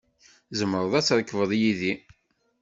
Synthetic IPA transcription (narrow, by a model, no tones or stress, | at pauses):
zəmːəɾˤəðˤæt͡sːɾəkːəvəðˤjiði